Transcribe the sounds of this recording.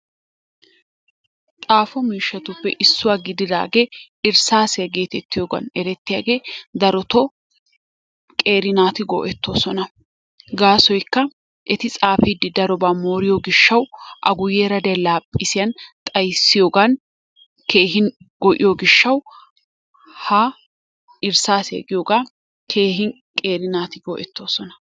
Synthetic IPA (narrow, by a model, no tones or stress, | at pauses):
t̪ʼaːfɔmiːʃːɐt̪ʊpːɛʔɪsːʊwaːɡɪd̪ɪd̪a̰ːɡe̞ːʔɪɾsaːsɪjɐɡe̞ːt̪ɛt̪ːɪjoːɡɐ̰nɛɾɛt̪ːɪjaːɡeːd̪ɐɾɔt̪ɔ | kʼe̞ːɾɪnaːt̪ɪɡɔ̰ːʔɛt̪ːo̞ːsɔnɐ | ɡaːsɔjkːɐ | ʔɛt̪ɪt͡sʼaːfɪd̪ːɪd̪ɐɾɔbaːmoːɾɪjoɡɪʃːɐwʔɐ̰ɡʊjːeːɾɐd̪ɛlaːpʼːɪsɪjɐnt̪ʼɐjsːɪjoːɡɐn | ke̞ːɦɪn | ɡɔʔɪ̰joːɡɪʃːɐw | haː | ʔɪɾsaːsɛ̰ɡɪjoːɡaː | kʰe̞ːɦɪn | kʼe̞ːɾɪnaːt̪ɪɡoːʔɛt̪ːo̞ːsɔnɐ̥